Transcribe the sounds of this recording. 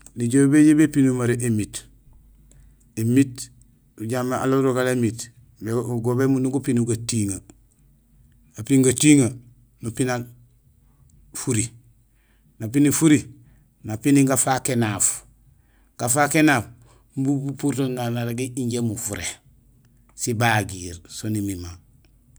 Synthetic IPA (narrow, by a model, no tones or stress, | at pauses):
niɟobeɟebepinumaɾeʔemit | emit | uɟamea̰loɾoɡalemit | beɡobemunuɡupinuɡatiŋa | apiŋɡatiŋa | nupinal | fuɾi | nap̬inifuɾi | napiniɡafakenaf | ɡ̥afakenaːf | mbubupuɾtonanaɾaɡiiɲɟemufuɾḛ | sibaɡiɾsonimima